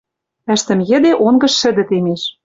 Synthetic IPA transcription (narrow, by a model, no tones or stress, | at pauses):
ɘ̆ʃt̪ɘ̆mjɘ̆d̪eʔonɡɤ̆ʃːɘ̆d̪ɘ̆t̪emeʃ